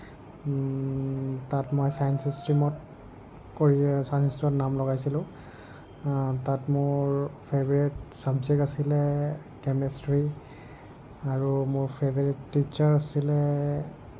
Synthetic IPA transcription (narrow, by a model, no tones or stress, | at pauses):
tatmojsajnsistɹimɔt | koɹisajnsistɔnamlɔɣajsilʊ̃ | tatmʊɹpʰebɔɹitsabzɛk̚tasilɛ | kɛmɛstɹi | aɹumʊɹpʰebɔɹitːit͡ʃaɹasilɛ